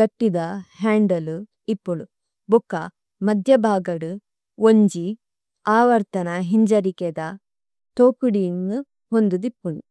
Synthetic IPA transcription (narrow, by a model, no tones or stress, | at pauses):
ɡɐʈːid̪ɐɦaːɳɖɐlu | ipːuɳu | bukːɐ | mɐd̪ʱjɐbʱaːɡɐɽu | oɲd͡ʒi | aːʋɐɾt̪ɐnɐɦiɲd͡ʒɐɾiked̪ɐ | t̪oːkuɽinːu | ɦond̪ud̪ipːuɳu